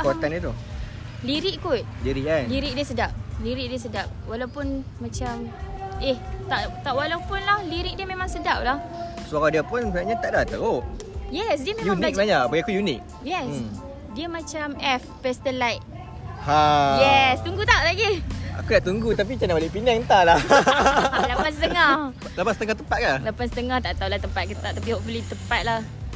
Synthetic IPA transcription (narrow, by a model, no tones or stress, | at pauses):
kot̪anit̪̬u | liɾiʔkut̪̚liɾikanliɾik̚diəsədap̚liɾik̚diəs̬ədap̚walawpʊnː | at͡ʃameht̪aʔt̪aʔwalawpʊnlahliɾɪk̚diəmemãŋsədap̚lahsuaɾadiəpʊnsnaʔɲat̪aʔdat̪əojɛsdiəmẽjum̃animaɲaʔpaiakujunik̚ | jɛs | diəmat͡ʃamɛfpɛst̪əlajt̚ | hajɛst̪uŋɡut̪aʔt̪aʔɡia̰kudaʔt̪uŋɡut̪ap̬it͡ʃanabalipinaŋənt̪alah | lapansət̪əŋah | lapasət̪əŋaht̪əmpat̪̚kalapansə̥t̪əŋaht̪aʔt̪awlaht̪əmpat̪̚kət̪aʔt̪apihoʔfəlit̪əpat̪̚lah